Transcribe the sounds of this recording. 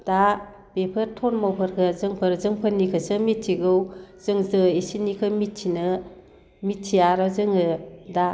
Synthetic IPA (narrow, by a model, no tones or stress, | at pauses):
d̥a | pepʰɯɾtʰɔnmowpʰɯɾkʰɯzɯŋpʰəɾzɯŋpʰənːikʰɯsɯmittʰiɡɯwz̥ɯŋzɯesinikʰɯmittʰinɯ | mittʰijaɾazɯŋɯda